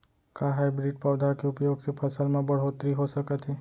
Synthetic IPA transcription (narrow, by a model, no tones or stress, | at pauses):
kaɦajbɾiɖ̚paːd̪ʱakeʊpjoːɡsepʰəsəlmãbəɽɦot̪ɾiɦosəkət̪ɦe